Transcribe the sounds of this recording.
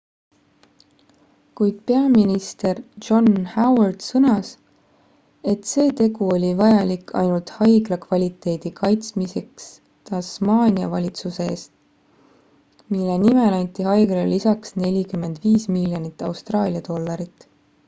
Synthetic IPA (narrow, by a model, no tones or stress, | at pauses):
kujd̪̥̚pe̞ɑminist̪e̞rd͡ʒo̞nhæwɑrd̪̥sɤnɑs | e̞t̪se̞ːt̪e̞ɡuo̞lʲivɑjɑlikːɑ̰jnult̪hɑjɡlɑkvɑlʲit̪ːˑe̞ːd̪̥ikʰɑjt̪smise̞ks | t̪ɑsmɑːnʲiɑ̰vɑlʲit̪suse̞eːst̪ | milːenimelɑnʲt̪ˑiɦɑjɡ̥lelːisɑksne̞lʲikymːe̞nd̪viːsmilːjonit̪ːˑɑ̰wst̪rɑːlʲiɑd̪o̞lːɑɾit̪ːˑ